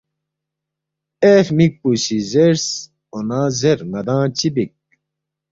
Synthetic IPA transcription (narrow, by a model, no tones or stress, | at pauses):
efmik̚puɕizeɾs | onãːzeɾnɐd̪ãːt͡ɕibik̚